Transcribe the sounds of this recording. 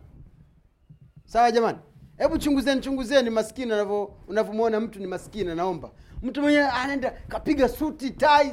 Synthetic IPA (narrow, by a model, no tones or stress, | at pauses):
sawaʄamanihɛɓut͡ʃuŋɡuzɛnut͡ʃuŋɡuzɛnimasi̥kinanavɔunavɔmuɔnam̩tunimasi̥kinanaɔmbam̩tumwɛɲɛɛanaɛndakapiɡasutitai